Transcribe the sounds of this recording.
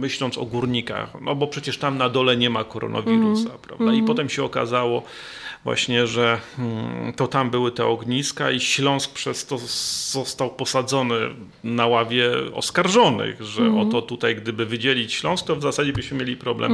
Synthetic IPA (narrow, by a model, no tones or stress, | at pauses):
mɘɕlɔnt̪sɔ̰ɡuɾɲika̰xnʔɔbɔpʂɛt͡ɕɛʂt̪amnad̪ɔlɛɲɛmakɔɾɔ̰nʔa̰vʲiɾusapɾa̰vd̪aipɔt̪ɛmɕɛɔka̰zawɔ | vwa̰ɕɲɛʐɛ | t̪ɔt̪ambɘwɘt̪ɛɔɡɲiska̰iɕlɔ̃w̃sk̚pʂɛst̪ɔz̥ɔst̪awpɔsad̪zɔnɘ | nawavʲjɛɔ̰skaɾʐɔnɘ̰ɣʐɛ̰ʔɔt̪ɔt̪ut̪ajɡd̪ɘbɘvɘd͡ʑelʲit͡ɕɕlɔ̃w̃sk̚t̪ɔvzasad͡ʑɛbɘɕmɘmʲjelʲipɾɔblɛ̰m